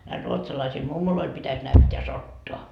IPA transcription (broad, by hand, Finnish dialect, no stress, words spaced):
næil ruotsɑlɑisil mumːoloil pitæs næytːeæ sotːoɑ